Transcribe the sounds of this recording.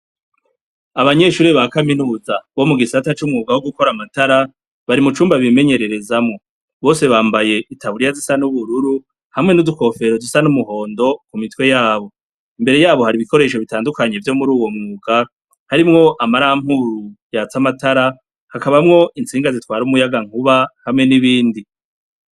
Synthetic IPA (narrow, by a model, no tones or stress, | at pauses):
aβaɲe̞ʃuːɾiβakaminuːzaβo̞muɡisatat͡ʃumŋuːɡawoɡuko̞ɾamataɾa | βaɾimut͡ʃuːmbaβime̞ɲe̞ɾeɾe̞zamŋo̞ | βo̞ːse̞βaːmbaje̞ʔitʰaβuɾijazisanuβuɾuɾu | hamŋe̞nuduko̞fe̞ɾodusanumuhɦo̞ːndo̞kumitwe̞jaːβo̞ | imbe̞ɾe̞jaːβo̞haɾiβiko̞ɾe̞ːʃo̞βitaːndukaɲe̞vjo̞muɾuːwo̞mŋuːɡa | haɾimŋo̞ʔamaɾaam̥huɾujaːt͡samataɾa | hakaβamŋo̞ʔint͡siːŋɡazitwaːɾumujaɡaŋ̥uβahamŋe̞niβiːndi